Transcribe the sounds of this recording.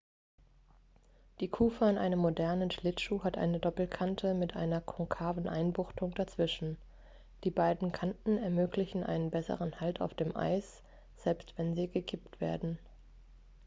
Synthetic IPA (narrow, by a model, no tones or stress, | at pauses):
d̥iːkʰuːfəanʔa̰ɪnəmːodɛɐnənʃlɪtʃuːɦatʔa̰ɪnədɔpl̩kʰantʰəmɪtʔa̰ɪnɐkʰɔŋkʰaːvn̩ʔa̰ɪnbʊχtʊŋd̥at͡sv̥ɪʃn̩ | d̥iːbaɪdn̩kʰantn̩ɛɐmøːklɪçn̩ʔa̰ɪnənbɛsə̰ʁənhaltʰa̰ʊfd̥eːmʔa̰ɪs | z̥ɛlpstv̥ɛnziːɡəkʰɪp̚tv̥ḛːɐdn̩